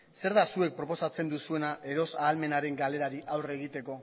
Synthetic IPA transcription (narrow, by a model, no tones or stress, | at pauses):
se̞ɾðasue̞k̚pɾo̞po̞sat͡se̞nd̪usue̞naʔe̞ɾo̞saːlme̞naɾe̞ŋɡale̞ɾaɾiʔawre̞ɣ̞it̪e̞ko̞